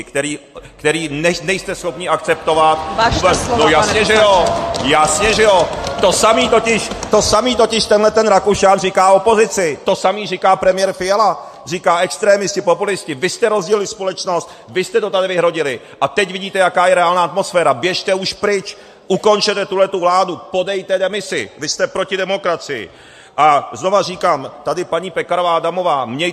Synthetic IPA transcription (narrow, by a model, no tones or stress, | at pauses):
kt̪ɛɾiːkt̪ɛɾiːnɛnɛjst̪ɛsxo̞pɲɪʔakt͡sɛp̚t̪o̞vat̪̚anojasɲɛʒɛjojasɲɛʒɛjot̪o̞samiːt̪ocɪʃt̪o̞samiːt̪o̞cɪʃt̪ɛnlɛt̪ɛnɾakuʃaːnrikaːo̞po̞zɪt͡sɪt̪o̞samiːrikaːpɾɛmɪjɛɾfɪjɛla | r̝ikaːɛkst̪ɾɛːmɪscɪpopulɪscɪvɪst̪ɛɾo̞zɟiːlɪspolɛt͡ʃno̞st̪ | vɪst̪ɛt̪o̞t̪adɪvɪɦɾo̞ɟɪlɪ | ʔat̪ɛcvɪɟiːt̪ɛjakaːjɛɾɛaːlnaːat̪̚mo̞sfɛːɾabjɛʃt̪ɛuʃpɾɪt͡ʃ | ʔuko̞nt͡ʃɛt̪ɛt̪ulɛt̪uvlaːdupo̞dɛjt̪ɛdɛmɪsɪ̰vɪst̪ɛpɾo̞cɪdɛmo̞kɾat͡sɪjɪ̰ | ʔazno̞var̝iːkaːmt̪adɪpaɲiːpɛkaɾovaːdamo̞vaːmɲɛj